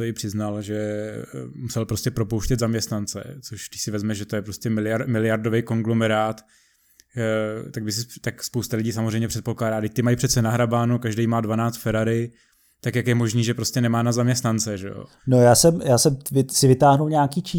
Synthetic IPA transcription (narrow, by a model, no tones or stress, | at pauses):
toɪpr̥ɪznalʒɛ | musɛlpɾo̞scɛpɾo̞powʃcɛt̪zamɲɛst̪nant͡sɛ̰t͡soʃd̪ɪcsɪvɛzmɛʒɛt̪ojɛpɾo̞scɛmɪlɪjamɪlɪjaɾdovejko̞ŋɡlo̞mɛɾaːt̪ | t̪aɡ̚bɪs̬ɪt̪akspowst̪alɪɟiːs̬amozrɛjmɲɛpr̥ɛt̪̚po̞klaːdaːɡdɪc̚ʲt̪ɪmajipr̝̥ɛt̪t͡sɛnaɦɾabaːnukaʒdejmaːdvanaːt͡st̪fɛɾaɾɪ | t̪akjakjɛmo̞ʒniːʒɛpɾo̞scɛnɛmaːnazamɲɛst̪nant͡sɛʒɛ̰jo̰ | nojaːsɛmjaːsɛmvɪsɪvɪt̪aːɦnulɲɛakiːt͡ʃiː